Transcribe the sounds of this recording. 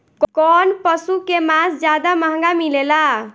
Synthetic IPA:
kkɔnpəsukemasd͡ʒjad̪aməɦə̃ŋɡamilela

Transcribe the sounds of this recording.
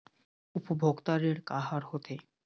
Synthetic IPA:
upobʱoɡt̪aɾeɾkaɦaɾhot̪e

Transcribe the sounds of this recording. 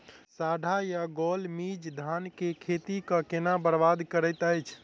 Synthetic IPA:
saɖʱajaɡɔlmid͡ʒd̪ʱankekʰet̪ikə̃kenabəɾbad̪ʱkəɾəjt̪əjt͡ʃʰ

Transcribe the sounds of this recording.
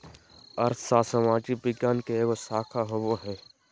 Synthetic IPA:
ɐɾt̪ʰsaːsəmaːd͡ʒibɪɡjaːnkeeːɡosaːkʰaɦoboɦɛ̃ː

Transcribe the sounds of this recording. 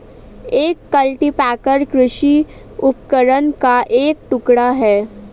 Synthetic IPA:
eːkːəlʈipɛːkəɾkɾʊʃi | ʊpkəɾənkaʔeːk̚ʈʊkɽaɦɛː

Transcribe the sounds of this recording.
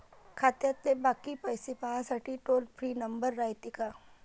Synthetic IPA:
kʰɐt̪jɐt̪lebaːkipɐjsepaːsɐʈiʈoːlpʰɾiːnɐmbəɾːajt̪ɪka

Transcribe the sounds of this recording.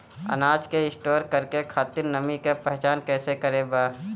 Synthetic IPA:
ə̰naːd͡ʒkeɪsʈoːɾkəɾkekʰaːt̪ɪɾnəmikepɛɦt͡ʃaːnkɛːsekəɾebaː

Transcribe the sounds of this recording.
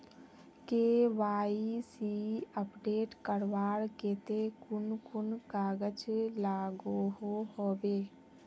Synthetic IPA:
keːʋaːisiəpɖeːʈkəɾʋaːɾkeːt̪ekʊnkʊnkaːɡət͡ʃlaːɡoɦoɦoːbeː

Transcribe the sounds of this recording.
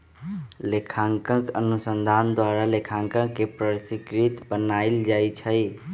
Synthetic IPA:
lekʰãŋkə̃kənusənd̪ʱand̪waɾalekʰãŋkə̃kːepɾəsikɾit̪bənajld͡ʒajt͡ʃʰə

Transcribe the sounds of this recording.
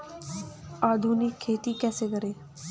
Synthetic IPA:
aːd̪ʱuːnɪkʰːeːʈ̪ikɛːseɡəɾeː

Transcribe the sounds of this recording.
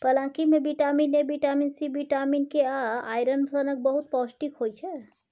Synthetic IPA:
pəlãkimẽbiʈaminebiʈaminsibiʈaminkeaaːjɾənbənək̚bəɦut̪̚pɔsʈikɦojt͡ʃʰɛ

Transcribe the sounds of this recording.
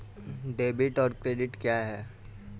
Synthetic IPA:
ɖeːbɪʈɔːɾkɾeːɖɪʈkjaɦɛː

